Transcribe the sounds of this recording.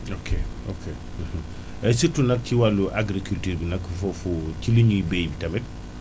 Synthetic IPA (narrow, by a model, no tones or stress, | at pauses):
okʰe | okʰe | m̩h̩ | ɛsitunɐk̚ciwalːuʔaɡɾikultuɾbinɐkːfɔfuciluɲuibejbitɐmit̚